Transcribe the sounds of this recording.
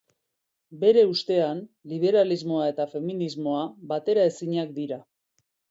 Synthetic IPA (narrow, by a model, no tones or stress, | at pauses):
be̞ɾe̞ust̪e̞anliβ̞e̞ɾalizmo̞ae̞t̪afe̞minizmo̞aβat̪e̞ɾae̞siɲak̚d̪iɾa